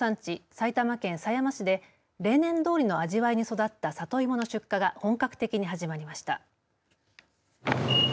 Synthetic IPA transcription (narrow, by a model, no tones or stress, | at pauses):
ãɲ̟t͡ɕisait̪amakẽ̞ɰ̃sajamaɕid̪e̞ | ɾe̞ːnẽ̞nd̪o̞ːɾʲino̞aʑiβaiɲ̟iso̞d̪at̪ːasat̪o̞imo̞no̞ɕɨkːaɡahõ̞ŋkakɯ̟̥t̪e̞kʲiɲ̟iɦaʑimaɾʲimaɕi̥t̪a